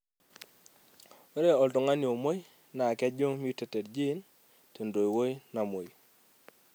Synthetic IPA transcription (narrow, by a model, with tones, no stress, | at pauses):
o˦ɾe˦ɔ˨lto˨ŋa˦njo˨mo˦j | na˨kɛ˦d͡ʒo˦ŋmi˦u˦te˦tɛ˨dd͡ʒi˦n | to˨ndo˨jwo˦i˦na˨mo˨